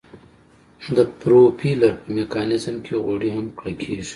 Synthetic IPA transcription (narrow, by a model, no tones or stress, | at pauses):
d̪əpɾopʰilaɾpəmekɑːnɪzmkʰeɣwaɽihamkɽakʰeːʒ̥i̥